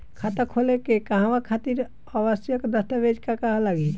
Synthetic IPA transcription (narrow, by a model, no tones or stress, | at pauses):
kʰat̪əkʰolekekəɦãwakʰat̪iɾ | əbəsjəkd̪əst̪əbed͡ʒkakaɦlaɡi